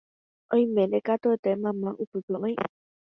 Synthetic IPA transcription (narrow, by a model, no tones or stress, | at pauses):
ʔõj̃mẽnd̪ekat̪oet̪emãmãʔupɨpɨ̃ʔõj̃